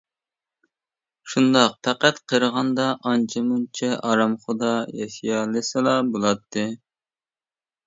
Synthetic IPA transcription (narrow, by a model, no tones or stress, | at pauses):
ʃund̪ɑq̚p̪ʰæqæt̪qʰəɾəʁɑnd̪ɑʔɑnt͡ʃʰɪmunt͡ʃʰɛʔɑɾɑmχod̪ɑjɛʃijɑːlˠɨsɨlˠɑbolˠɑt̪ːɨ